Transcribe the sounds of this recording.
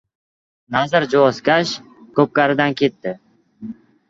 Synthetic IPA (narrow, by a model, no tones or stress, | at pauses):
nazɪɾd͡ʒoɒskʲaʃ | kʰɵp̚kaɾɪd̪ankʰʲet̪ːɪ